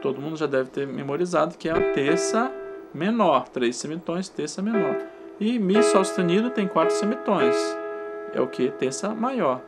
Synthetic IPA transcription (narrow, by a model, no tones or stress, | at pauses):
t̪od̪ʊmũd̪ʊʒad̪ɛvɪt̪eɾmemoɾizad̪ʊkɪɛɐ̃t̪eɾsɐmenɔɾt̪ɾejsːemit̪õj̃st̪eɾsɐmẽnɔ̰ɾ | ɪmisawst̪ẽnid̪ʊt̪ẽj̃kwat̪ɾʊ̥sẽmit̪õj̃s | ɛ̰ʊkɪt̪eɾsɐmajɔɾ